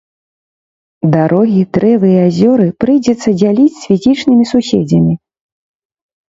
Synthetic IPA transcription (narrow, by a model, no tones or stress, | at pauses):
d̪aɾɔɣʲid̪ɾɛvɨiazʲɔɾɨpɾɨjd͡zʲɛt̪sːɐd͡zʲalʲit͡sʲsʲfʲizʲit͡ʂnɨmʲisusʲɛd͡zʲɐmʲi